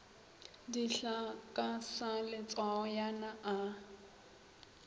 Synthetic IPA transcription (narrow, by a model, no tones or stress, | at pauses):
diɬakʼasalɪt͡sʼwaɔjanaʔa